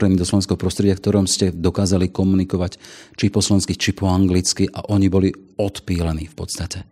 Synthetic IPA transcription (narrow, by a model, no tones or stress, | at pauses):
ɾɛnid̪ɔslɔʋɛnskɛɦɔpɾɔst̪ɾɛɟɪafkt̪ɔɾɔmscɛd̪ɔkaːzalikɔmunikɔʋact͡ʃipɔslɔɛñskit͡ʃipɔaŋɡlit͡skiʔa̰ʔɔɲibɔliɔt̪piːlaniːfpɔt̪st̪acɛ